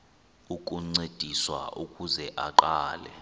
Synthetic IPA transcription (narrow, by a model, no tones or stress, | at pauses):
ukʼuŋ͡ǀed̥ʱiswa̰ʔukʼuzɛʔaǃaːlɛ̰